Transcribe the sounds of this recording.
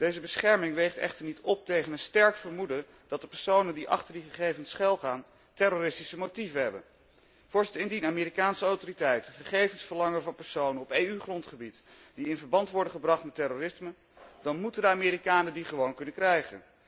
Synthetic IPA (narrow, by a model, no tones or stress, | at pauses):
d̥ejzəbəsχɛɹmɪŋʋejχtɛ̰χtəɹnitɔp̚tejχənənstɛɹkfəɹmudə | d̥ɑt̚dəpɛɹsownəndiʔɑ̰χtəɹdiχəχejvənsχɛlˠχaːn | tɛɾoːrɪstisəmotivəɦɛbə̰n | v̥ʊɹstɪndinaːmeːɾikaːnsəawtoritɛjtəχəχejvənsfəɹlɑŋəvɑnpɛɹsownənɔpejyχrɔntχəbit | d̥iɪnvəɹbɑntʋɔɹdəχəbrɑχtmɛtːɛroːrɪsmə | d̥ɑnmutəndəaːmɪːɾikaːnədiχəʋownkɵnəkrɛjχə̰n